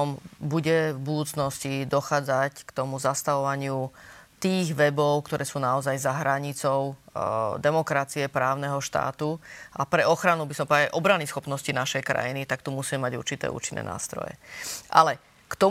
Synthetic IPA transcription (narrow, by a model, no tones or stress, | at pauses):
ɔmbuɟɛvbud̪uːt͡snɔscid̪ɔxaːd͡zackt̪ɔmuzast̪aʋɔʋaɲɪut̪iːɣʋɛbɔʊkt̪ɔɾʔɛːsuːnaɔzajzaɦɾaɲit͡sɔʊd̪ɛmɔkɾat͡siɛpɾaːʊnɛɦɔʃt̪a̰ːt̪uʔapɾɛɔxɾanubisɔmpaajʔɔbɾanisxɔpnɔscinaʃɛjkɾa̰jinit̪akt̪umusiːmɛmaɟṵɾt͡ʃit̪ɛ̰ːʔṵɾt͡ʃinːɛ̰na̰ːst̪ɾɔ̰jɛ̰ʔa̰lɛ | kt̪ɔ